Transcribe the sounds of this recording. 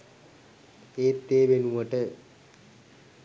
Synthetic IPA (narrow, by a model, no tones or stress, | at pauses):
eːt̪ːeːʋenuʋəʈə